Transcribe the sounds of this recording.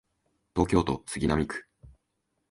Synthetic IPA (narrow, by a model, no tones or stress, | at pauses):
t̪o̞ːkʲo̞ːt̪o̞̰sɨɡʲinamʲikɯ̟̥